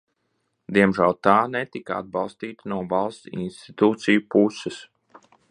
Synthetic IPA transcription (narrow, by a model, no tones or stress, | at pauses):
d̪iɛmʒælˠt̪aːnɛt̪ikaa̰d̪̚bɑlˠst̪iːt̪anuɔvɑlˠst̪sḭnst̪it̪uːt̪sijupusɛs